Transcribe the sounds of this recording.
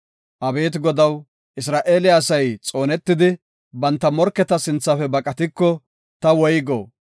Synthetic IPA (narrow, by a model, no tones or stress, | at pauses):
ʔɐbe̞ːt̪ɡɔd̪ɐw | ʔɪsɾaːʔe̞ːlɪjaːsɐjt͡sʼo̞ːnɛt̪ːɪd̪ɪ | bɐnt̪ːɐmɔɾkːɛt̪ɐsɪnt͡sːɐfɛbɐkʼɐt̪ɪkːɔ | t̪ɐwɔjɡo̰ː